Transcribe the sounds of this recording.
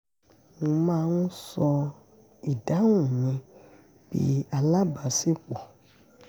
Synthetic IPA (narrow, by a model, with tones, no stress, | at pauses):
nũ˧mãː˦˧˦nũ˦sɔ˧ | i˨da˨˦wũ˦˨mĩ˧ | b̥ḭ˦a˧la˦ba˨˦si˦k͡pɔ˨